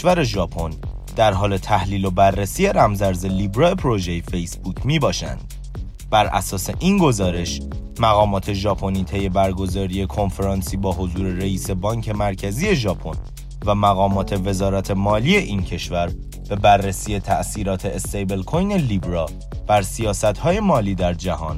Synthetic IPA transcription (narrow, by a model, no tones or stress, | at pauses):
væɾe̞ʒɒːpʰo̞n | d̪̥æɾɦɒːle̞t̪ʰæhliːlo̞bærːesiːjeɾæmzæɾzelibɾɒːe̞pʰɾo̞ʒejefejsbuːcʰmiːbɒːʃæ̰nd̪̥ | b̥æɾʔæ̰sɒːseʔinɡo̞zɒːɾe̞ʃ | mæɣɒːmɒːt̪ʰe̞ʒɒːpʰo̞niːt̪ʰejːe̞bæɾɡo̞zɒːɾije̞kʰo̞nfeɾɒːnsiːbɒːɦozuːɾe̞ɾeiːse̞bɒːŋcʰe̞mæɾcʰæzije̞ʒɒːpʰon | væmæɣɒːmɒːt̪ʰe̞ve̞zɒːɾæt̪ʰe̞mɒːliːe̞ʔiːncʰe̞ʃvæɾ | b̥e̞bærːesiːje̞t̪ʰæʔsiːɾɒːt̪ʰe̞est̪ejbe̞lkʰojne̞liːbɾɒː | b̥æɾsijɒːsæt̪hɒːje̞mɒːliːd̪æɾd͡ʒæhɒːn